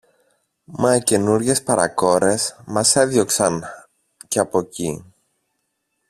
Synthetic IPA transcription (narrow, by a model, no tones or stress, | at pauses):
mɐce̞nuɾʝe̞spɐɾɐ̰ko̞ɾe̞smɐse̞ðjo̞ksɐn | ceɐpo̞ci